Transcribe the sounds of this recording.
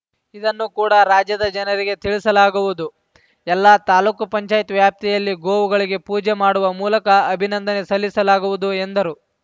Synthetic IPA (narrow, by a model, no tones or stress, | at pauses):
id̪ɐnːukuːɽɐɾaːd͡ʒjɐd̪ɐd͡ʒɐnɐɾiɡe̞t̪iɭisɐlaːɡuʋud̪u | ɛlːaːt̪aːluːkupɐɲt͡ʃaːjt̪ʋjaːp̚t̪ijɐlːiɡoːʋuɡɐɭiɡe̞puːd͡ʒemaːɽuʋɐmuːlɐkɐɐbʱinɐnd̪ɐne̞sɐlːisɐlaːɡuʋud̪uend̪ɐɾu